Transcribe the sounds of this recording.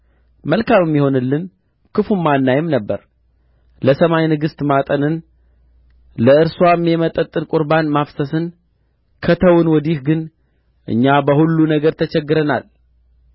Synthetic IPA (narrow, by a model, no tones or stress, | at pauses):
məlkʰamɨmːiho̞nɨlːɨn | kʰɨfumanːajɪmnəbːə̰ɾ | ləsəmajnɨɡɨst̪mat̪ʼənɨn | ləɨɾswamːɛmət̪ʼːət̪ʼːɨnkʼʊɾbanmafsəsɨn | kʰət̪ʰəwɨnwɔd̪ihɡɨn | ʔɨ̰ɲːabəhulːunəɡəɾt̪ʰət͡ʃɛɡːɨɾəna̰l